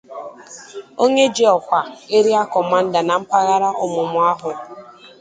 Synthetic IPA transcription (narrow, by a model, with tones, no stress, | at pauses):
o˦ɲe˦d͡ʒi˦ɔ˨kʷa˨e˦ɾi˦a˦kɔ˨ma˦n̩˦da˨na˨m̩˦pa˦ɣa˦ɾa˦ʔʊ˨mʊ˨mʊ˨a˦ɦʊ˨